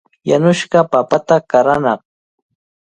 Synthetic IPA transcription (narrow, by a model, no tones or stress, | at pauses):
janʊʃɢɑpapat̪akaɾanɑχ